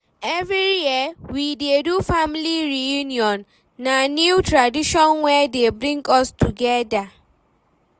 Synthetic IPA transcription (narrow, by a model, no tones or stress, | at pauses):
ɛvɾijiəwidedufamliɾijuniɔ̃nː | anjutʰɾadiʃɔ̃nwɛdebɾĩŋɡɔstuɡɛda